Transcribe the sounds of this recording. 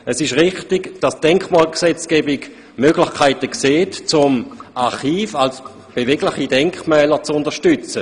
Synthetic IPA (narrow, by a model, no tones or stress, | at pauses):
əsɪʃʁɪχtɪɡd̥asd̥ɛŋkχmaːlksɛt͡skeːbɪɡ | møɡlɪχkʰaɪtəkseːtt͡sʊmaʁχiːfals | b̥evɛɡlɪχidɛŋkmɛːləʁt͡sʊndəʃtʏt͡sə